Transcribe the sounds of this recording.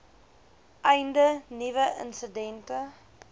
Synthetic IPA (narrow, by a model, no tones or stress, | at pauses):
ʔɛjndənivəʔə̰nsədɛntə